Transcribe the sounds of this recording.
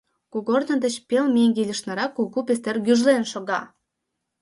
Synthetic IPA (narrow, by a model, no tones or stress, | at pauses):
kuɣornə̆d̪ə̆t͡ɕpelmeŋɡelʲə̆ʃnɑɾɑkːuɣupes̬t̪erɣyʒlenʃoɣɑ